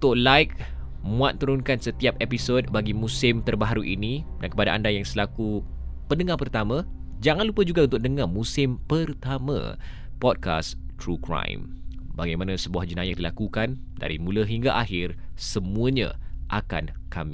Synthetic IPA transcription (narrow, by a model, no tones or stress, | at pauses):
ut̪ʊʔlajk̚ | mũat̪̚ːuɾʊnkansət̪iap̚episod̚baɡimũsɪmt̪ərbaɦaɾuʔinĩdankəpadaʔandajaŋsəlakupəndəŋapərt̪amã | d͡ʒaŋanlupəd͡ʒuɡaunt̪ʊk̚nəŋamũsɪmpərt̪amã̰ | pɔd̚ka̰st̪ɾukɾã̰jmbaɡajmanãsəbuahd͡ʒənajadilakukan | da̰ɾḭmũləɦiŋɡaʔaɦɪrsəmũəɲã̰ʔaka̰n | ka̰mi